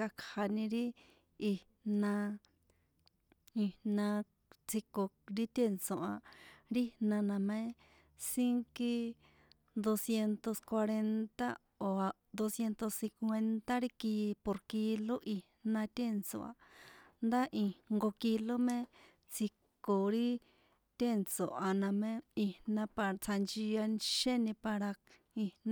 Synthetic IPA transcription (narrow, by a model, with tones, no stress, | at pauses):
a˧kʰha˧nĩ˧ɾi˦ | i˧ | nã˧ | i˧nã˧ | t͡si˧ko˧ɾi˦t̪ʲe˦nsõ˧ʔa˧ɾi˦nã˧nã˨mẽ˦ | si˦ŋki˧ | d̪o˧sje˧nt̪o˧skwa˧ɾe˧nt̪a̰˦ | o˨a˨ | d̪o˧sje˧nt̪o˧sːĩ˧kwʷe˧nt̪a˦ɾi˦ki˧po˧ɾki˧lo˦ʔi˧hnã˧t̪ẽ˦˧nt͡sõ̰˨ʔa̰˨nd̪a˦ʔĩ˧ŋɡo˧ki˧lo˦mẽ˦ | t͡si˧kko˨ɾi˦ | t̪ʲe˦˨nt͡sõ˨ʔa˨nã˧mẽ˦i˧hnã˧pa˧t͡sʰa˧nd͡ʒi˧a˧nʃẽ˦nĩ˧pa˧ɾa˧k | i˧nã˧